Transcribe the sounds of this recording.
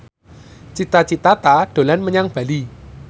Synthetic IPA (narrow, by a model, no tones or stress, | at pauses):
t͡ʃit̪at͡ʃit̪at̪aɖ̥o̤lanməɲaŋb̥a̤li